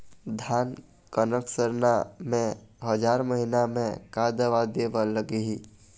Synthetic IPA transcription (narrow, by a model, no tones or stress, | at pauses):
d̪ʱaːn | kənəksəɾnamẽɦəd͡ʒaːɾməɦinamẽkaːd̪əʋad̪eʋələɡiɦi